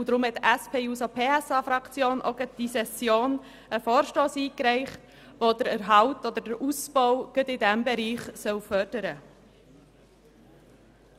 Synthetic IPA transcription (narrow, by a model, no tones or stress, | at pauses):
ʊd̪ɾʊmhɛtʔæspʰeːuːsopʰeːɛsɑːfɾɑkt͡sjoːnʔɔ̰ɡəd̥isɛsjoːn | əfɔːɾʃtoːsiːkɾɛɪχt | ʋodəɾɛɾɦɑʊtɔd̪ədəɾʔusbɔwɡ̥ədɪdæmbɛɾiːχsœwfœɾd̥əɾə